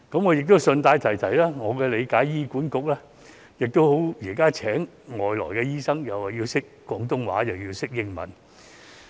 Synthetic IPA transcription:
kɐ˨˥mŋɔː˨˧jɪ˨k̚t̪o˥wsɵ˧nt̪aː˧jt̪ʰɐ˨˩jt̪ʰɐ˨˩jlɛː˥ŋɔː˨˧kɛː˧le˨˧jkaː˨˥jjiː˥kuː˨˥nkʊ˨˥k̚lɛː˥ | jɪ˨k̚t̪o˥who˨˥wjiː˨˩kaː˥t͡sʰɛː˨˥ŋ | ŋɔː˨˩jlɔ̰ː˨˩jkɛː˧jiː˥sɐ˥ŋjɐ˨˩wa˨˩jiː˧wsɪ˥k | kɔː˨˧ŋt̪ʊ˥ŋwa̰ː˨˥jɐ˨wjiː˧wsɪ˥k̚jɪ˥ŋmɐ̰˨˥n

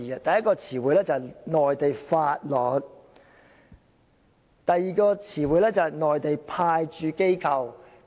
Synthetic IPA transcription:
ɐ˧t̪ɐ˨jːɐ˥t̚kɔː˧t͡sʰiː˨˩wuː˨˧jlɛː˥t͡sɐ˨nɔː˨˩jt̪e˨jfaː˧t̚lɔː˨˥t̚ | t̪ɐ˨jːiː˨kɔː˧t͡sʰiː˨˩wuː˨˧jlɛː˥t͡sɐ˨nɔː˨jt̪e˨jpʰaː˧jt͡ʃyː˨˧ke˥jkʰɐ˧w

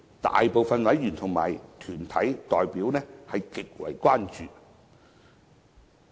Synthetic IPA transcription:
t̪a̰ː˨jpo˨wfɐ˨nwɐ˨˥jjyː˨˩nt̪ʰʊ˨˩ŋma̰ː˨˩jt̪ʰyː˨˩nt̪ʰɐ˨˥jt̪ɔː˨jpiː˨˥wnɛː˥hɐ˨jkɪ˨k̚wɐ̰˨˩jkwaː˥nt͡ʃyː˨

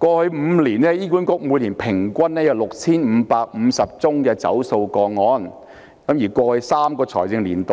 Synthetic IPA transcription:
kʷɔː˧hɵ˨˧˥ɥm̩ː˨˧liː˨˩nɛː˥jiː˥ku˨˥nkʊ˥k̚muː˨˧jliː˨˩npʰɪ˨˩ŋkʷɐ˥nnɛː˥jɐ˨˧wlʊ˨k̚t͡sʰiː˥nm̩˨˧paː˧k̚m̩ː˨˧sɐ˨p̚t͡sʊ˥ŋkɛː˧t͡sɐ̰˨˥wso˧wkɔː˧ŋɔː˧˥n | kɐ˨˥mjiː˨˩kʷɔː˧hɵ˨˥jsaː˥mkɔː˧t͡sʰɔ̰ː˨˩jt͡sɪ˧ŋliː˨˩nt̪o˨˧

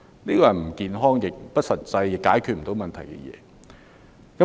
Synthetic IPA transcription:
niː˥kɔː˧jɐ˨˩nm̩˨˩kiː˧nɦɔː˥ŋjɪ˨˩k̚pɐ˥t̚sɐ˨t̚t͡sɐ˧jjɪ˨kːaː˨˥jkʰyː˨t̚m̩˨˩t̪o˨˥wmɐ˨nt̪ʰɐ˨˩jkɛ̰˧jɛ̰ː˨˧ | kɐ˨˦˥

